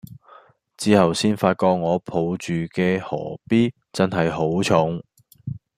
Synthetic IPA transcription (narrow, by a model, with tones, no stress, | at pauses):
t͡siː˧˥hɐ˨wsiː˥nfaː˧t̚kɔː˧k̚ŋɔː˨˧pʰo˨˧wt͡ʃyː˨kɛː˧hɔ̰ː˨˩piː˥ | t͡sɐ˥nɦɐ˨jɦo˨˥wt͡ʃʰʊ˨˥ŋ